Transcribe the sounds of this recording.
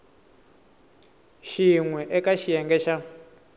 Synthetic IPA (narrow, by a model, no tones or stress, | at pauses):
ʃiŋwɛʔɛkaʃijɛŋɡɛʃa